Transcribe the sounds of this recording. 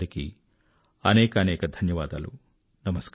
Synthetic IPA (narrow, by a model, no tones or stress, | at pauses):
ɾikḭ | ɐnɛːkɐːnɛːkɐd̪ʱɐnjɐʋaːd̪a̰ːlṵ | nɐmɐsk